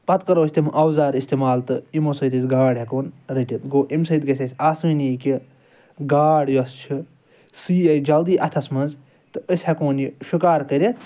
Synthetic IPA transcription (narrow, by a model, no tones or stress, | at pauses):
pɐt̪kɐɾoːsʲt̪imʔɐwzaːɾist̪eːmaːlt̪ɨimosɐjd̪ɐsɡaːɽʲɦɐkoːnɾɐʈʲɐt̪ɡoːʔimsɐd̪ɡɐsʲɐsʲaːsminiːkʲi | ɡaːɽjɐst͡ʃʰi | siːɐjd͡ʒɐld̪iːʔɐt̪ʰɐsmɐnz | t̪ɨəsʲhɐkoːnjiʃukaːɾkɐɾʲi